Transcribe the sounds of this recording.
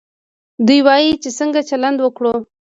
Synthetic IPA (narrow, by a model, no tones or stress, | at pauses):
d̪ujwɑjit͡ʃesəŋɡat͡ʃaland̪wəkɽo